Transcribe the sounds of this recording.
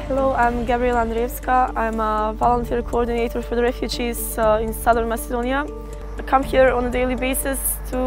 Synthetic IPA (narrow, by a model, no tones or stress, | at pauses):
hɛloãɪ̃mɡæbɹiɛlˠãndɾevskəãɪ̃məvɔlˠə̃ntʰiɹkʰoɔɹdɪneɪtəɹfɔɹðəɹɛfjud͡ʒiz | ɪ̃nsʌðə˞nmæsɪdõʊnia | akʰʌ̃mhiɹɔ̃nədeɪlˠibeɪsɪs | tʰu